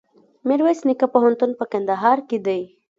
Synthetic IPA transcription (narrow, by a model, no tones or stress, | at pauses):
mɪɾwesnɪkapoɦant̪unpəkand̪aɦɑɾked̪əj